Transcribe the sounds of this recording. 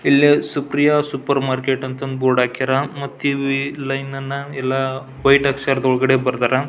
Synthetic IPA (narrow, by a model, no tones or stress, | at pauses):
ilːisupɾijɐsupɐɾmaːɾkeʈɐnt̪ɐnd̪boːɽaːkiɾɐmɐt̪ːiʋilɐjnːɐnːɐɛlːɐ | ʋɐjʈɐkʂɐɾd̪ɔɭɡɐɽebɐɾt̪aːɾɐ